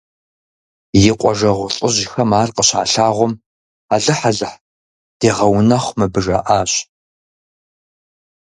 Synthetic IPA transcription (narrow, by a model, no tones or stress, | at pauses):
jɪqʷʼɔʒɐʁʷʊɬʼɪʒʑɪxɐmaːrqʼəɕa̰ːɬaːʁʷɔm | aɮɨħaɮɨħ | d̥eːʁɐwnɐχʷmɨbɨʒɐʔaːɕ